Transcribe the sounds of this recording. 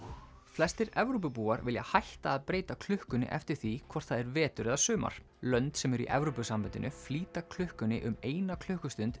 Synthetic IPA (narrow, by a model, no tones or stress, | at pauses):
flɛst̪ɪɾɛvɾop̬ʏpuːaɾvɪlja̰hajht̪aːðpɾeːjt̪akʰl̥ʏhkʏnɪ̰ʔɛft̪ɪɾ̥θikʰvɔr̥t̪θaðɛɾvɛːt̪ʏɾɛðasʏːma̰ɾ̥ | lœnt̪sɛmɛɾḭʔɛ̰vɾopʏsamːɛnt̪ɪnʏfliːt̪akʰl̥ʏhkʏnɪ̰ʔʏmeːjnakʰl̥ʏhkʏst̪ʏnt̪